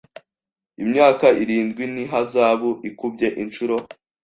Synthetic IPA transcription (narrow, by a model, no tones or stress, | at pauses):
imɲaːkaiɾiːndɡwiniɦazaːβoʔikub̚ɟe̞ʔint͡ʃuɾo̞